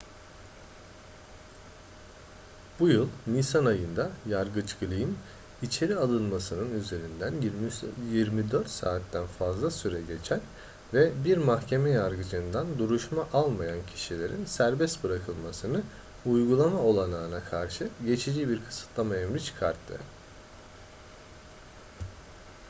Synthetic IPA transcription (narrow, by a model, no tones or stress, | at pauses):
b̥ujɯlˠnisanajɯnd̪ajaɾɡɯt͡ʃɡɯlʲˠɯjin | it͡ʃʰe̞ɾialˠɯnˠmasɯnɯnyze̞ɾind̪ænjiɾmid̪øɾt̪saːt̪ːænfazlˠasyɾɛɟe̞t͡ʃʰæn | vɛbiɾmaxcʰe̞mɛjaɾɡɯd͡ʒɯnd̪and̪uɾuʃmaʔalˠmajancʰi̥ʃilʲe̞ɾinsæɾbɛst̪bɯɾakʰɯlˠmasɯnɯ | ujɡulˠamao̞lˠanaːɯnakʰaɾʃɯɟe̞t͡ʃʰid͡ʒibiɾkʰɯ̥sɯ̥t̪ʰlˠamaemɾit͡ʃʰɯ̥kʰaɾt̪ʰːɯ̰